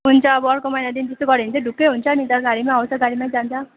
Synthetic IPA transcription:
ɦunt͡sʰʌːbʌʌɾkomʌjnad̪int̪est̪oɡʌɾeint͡sʰʌɖʱukːʌjɦunt͡sʰʌnit̪aɡaɾimaɦaw̃t͡sʰʌɡaɾimãd͡zant͡sʰʌ

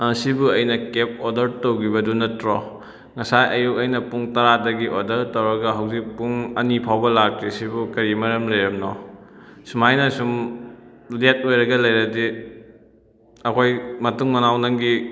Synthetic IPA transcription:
ɐsibuɐjnɐkep̚odɐɾtowɡibɐdunɐtɾɔ | ŋɐsajʔɐjuk̚ɐjnɐpuŋtɐɾadɐɡiʔodɐɾtɐwɾɐɡɐɦɐwzik̚puŋɐnipʰawbɐlak̚tɾisibukɐɾimɐɾɐmlɐjɾɐmnɔ | sumajnɐsum | let̚ojɾɐɡɐlɐjɾɐdi | ɐkʰojmɐtuŋmɐnawnɐŋɡi

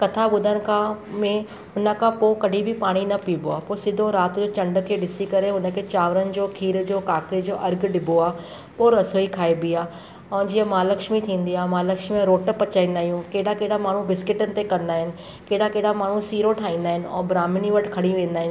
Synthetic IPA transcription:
kɐt̪ʰaɓʊd̪ʱəñɪ̆kʰãmẽ | ʊnəkʰãpokɐɖʱibʱipaːɽ̃inɐpiːboaːposɪd̪ʱoɾaːt̪d͡ʑoːt͡ɕɐ̃ɳɖkʰeːɗɪsikɐɾeɦʊnə̆kʰet͡ɕaːʋɾənɪ̆d͡ʑoːkʰiːɾd͡ʑoːkaːkɾid͡ʑoːʔɐɾɡɖɪbʱoaː | poːɾɐsoːikʰaːebiaː | ɛ̃ːd͡ʑiə̃maːləkʃmit̪ʰĩːn̆d̪iaːmaːləkʃmimẽɾoːʈpːɐt͡ɕaːĩːnd̪aːɦijũkeːɽakeːɽamaːɳ̤ũbɪskɪʈənɪ̆t̪ekɐ̃nd̪aːɦɪnɪ̆ | keːɽakeːɽamaːɳ̤ũsiːɾoʈʰaːĩːn̆d̪aːɦɪnɪ̆ɛ̰̃ːbɾaːmɪniʋɐʈʰkʰɐɽ̃iʋẽːnd̪aːɦɪnɪ

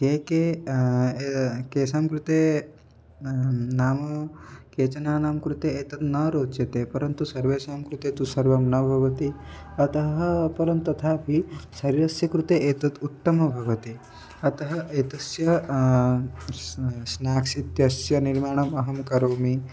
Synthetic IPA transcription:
keːkeː | keːsaːmkɾut̪eː | naːmɐkeːt͡ʃɐnaːnaːmkɾut̪eːeːt̪ɐt̪nɐɾoːt͡ʃjɐt̪eːpɐɾɐnt̪usɐɾʋeːsaːmkɾut̪eːt̪usɐɾʋɐmnɐbʱɐʋɐt̪i | ɐt̪ɐɦɦɐpɐɾɐnt̪uɐt̪ʰaːpisɐɾiɾɐsjɐkɾut̪eːʔeːt̪ɐt̪ut̪ːɐmɐbʱɐʋɐt̪i | ɐt̪ɐɦɐʔeːt̪ɐsjɐ | snaːksit̪jɐsjɐniɾmaːɳ̃ɐmɐɦɐmkɐɾoːmi

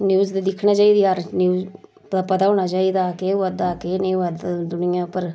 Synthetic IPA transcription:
njuːzd̪iːd̪ɪkʰnãːt͡ʃaːiːd̪iːaɾnjiuː | pːpət̪aːɦoːɳaːt͡ʃaːiːd̪aːkeːʋəd̪aːkenẽːʋəd̪d̪ʊnɪjãːpəɾ

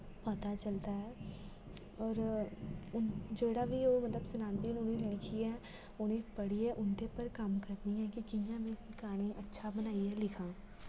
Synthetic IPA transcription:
pɐt̪at͡ʃɐlt̪aɦɛː | ɔːɾ | ʊnd͡ʒeːɽabʱiomɐt̪ləbsɐnãːnd̪iːnʊnẽlɪkʰiɛ̃ | ʊnẽpɐɽ̤iɛʔʊnt̪epɐɾkaːmkɐɾniɦɛ̃kikijãmẽsɪkaːñẽʔɐtːʃʰabɐnaːiɦɛlɪkʰãː

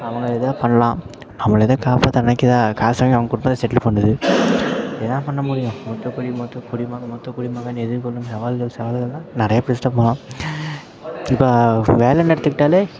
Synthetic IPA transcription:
ɐʋɐŋɡɐɛðaːpɐɳːɐlãː | nɐmːɐɭɛðɐkaːpaːt̪ːɐnɐnɐkːɪðãːkaːsɐŋɡɐʋɐŋɡɐkʊɽʊmbɐt̪ːɐsɛʈːɪlpɐɳɖɐðɯ | ɛðãːpɐɳːɐmuːɽɪjʊ̃mɔt̪ːɐkʊɽimɔt̪ːɐkʊɽimaːmɔt̪ːɐkʊɽɪmaːɣɐnɛðɯɾkɔlːɯmsɐʋaːlɣɐɭsɐʋaːlɣɐlãːnɪɾɐjɐpɪɾɪsʈɐpɐlãː | ɪpːoːʋeːlɛnɛɽɯt̪ːɯkːɪʈːaːle

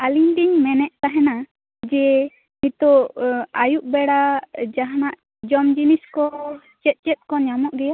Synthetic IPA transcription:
aliɲd̪iɲmɛnɛʔ̚t̪aɦɛna | d͡ʒɛ | mit̪ɔajuʔ̚bɛɽad͡ʒaɦanaʔ | d͡ʒɔmd͡ʒiniskɔ | t͡ʃɛt̪̚ˀt͡ʃɛt̪̚ˀkɔɲamɔʔɡɛja

